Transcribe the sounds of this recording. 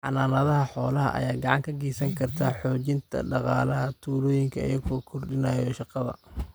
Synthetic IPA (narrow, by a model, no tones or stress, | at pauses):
ħɑ̰naːnɐðɐɦɐħɔːlɐɦɐ̰ʔɐ̰jaːɡɑʕɑŋkʰɐɡiːsɐŋkʰɐrt̪ʰaːħɔːt͡ʃɪnt̪ʰɐ̰ɖɑqɑ̰ːlɐɦɐt̪ʰuːlɔːjɪŋkʰɐɐ̰jɐɣʰɔkʰʊrɖɪnaːjɔʃɑqɑðɐ̰